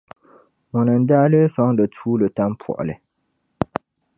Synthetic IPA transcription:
mɔ˨nə˨n̩˦daː˦lə˦swɔ˦ŋdə˨tʰuː˦lə˨ta˦m˦pʰwɔ̰˨ʔlɛ̰˨

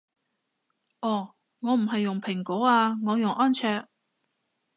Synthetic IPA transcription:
ʔɔː˨˩ | ŋɔː˨˧m̩˨˩ɦɐ˨jːʊ˨˩ŋpʰɪ˨˩ŋkɔo˨˥aː˧ŋɔː˨˧jʊ˨ŋʔɔː˥nt͡sʰœː˧k̚

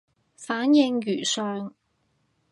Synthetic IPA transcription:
faː˨˥njɪ˧ŋjyː˨˩sœː˧ŋ

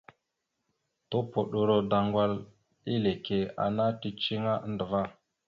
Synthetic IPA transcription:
to˦po˨ɗo˨ɾo˨da˨ŋɡʷa˦l | i˦le˨ke˨a̰˨na˦ti˦t͡ʃi˦ŋa˦ʔn̩˦də˨va˦

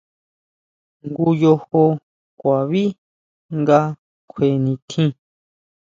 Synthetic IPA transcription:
ŋɡu˧jo˧ho˧ | kʷa˨βi˦ | ŋɡa˧ | kʷʰe˧˨nĩ˧t̪ʰĩ˦

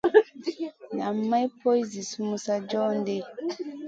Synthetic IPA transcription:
na˨m˦ma˦jpo˦jzi˨su˦mũ˦sa˦d͡ʒɔ˦n˦de˦

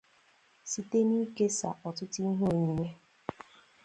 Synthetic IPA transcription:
si˨te˦ni˦ke˦sa̰˨ʔɔ˨tʊ˦ti˦ɦu˦o˨ɲi˨ɲe˦

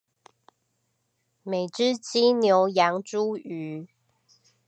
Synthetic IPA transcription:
me˨˩ɪʈ͡ʂɻ̩˥t͡ɕi˥njo˧˥ʊjɑ˧˥ŋʈ͡ʂu˥y˨˥˦

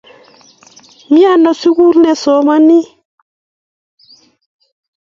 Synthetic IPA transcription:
mi˦a˦˨nɔ˨si˦ku˦ɾnɛ˨sɔ˨˦ma˦ni˦

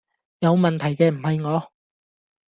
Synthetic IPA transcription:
jɐ˨˧wmɐ˨nt̪ʰɐ˨˩jkɛː˧m̩˨˩hɐ˨jŋɔː˨˧

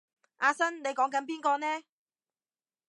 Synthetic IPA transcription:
ʔaː˧sɐ˥nne˨˧jkɔː˨˥ŋkɐ˨˥np̬iː˥nkɔː˧nɛː˥

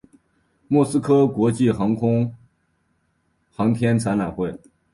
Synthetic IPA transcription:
mwɔ˥˩sɹ̩˥kʰɤ˥kwɔ˧˥t͡ɕi˥˩xɑ˧˥ŋkʰʊ˥ŋ | xɑ˧˥ŋt̪ʰjɛ˥nt͡sʰa˧˥na˨˩xwe˥˩ɪ

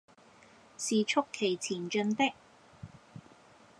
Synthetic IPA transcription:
siː˨t͡ʃʰʊ˥kʰːe˨˩jt͡sʰiː˨˩nt͡ʃɵ˧nt̪ɪ˥k̚

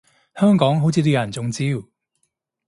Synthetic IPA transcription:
hœː˥ŋkɔː˨˥ŋɦo˨˥wt͡sʰiː˨˧t̪̬iː˥jɐ˨˩nt͡sʊ˨ŋt͡siː˥w

